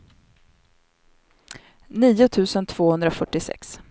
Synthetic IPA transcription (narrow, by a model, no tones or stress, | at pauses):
niːʊt̪ʰʉ̟ːsənt̪ʰv̥oːhɵnd̪ɾafœʈːɪsɛ̰ks